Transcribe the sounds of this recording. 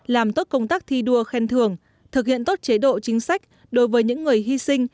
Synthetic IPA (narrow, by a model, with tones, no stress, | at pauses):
laː˨˩mt̪o˦˥t̚kə˧wŋ͡mt̪aː˦˥k̚t̪ʰi˧ɗu˧əxɛ˧nt̪ʰɨ˧˩əŋ | t̪ʰɨ˨˩k̚hḭ˧˨ənt̪o˦˥t̚t͡ɕe˨˦ɗo̰˧˨t͡ɕï˨˦ŋ̟sa˦˥jk̟̚ | ɗo˨˦jvəː˨˦jɲɨ̰˧˥ŋːɨ˨˩əjɦi˧sï˧ŋ̟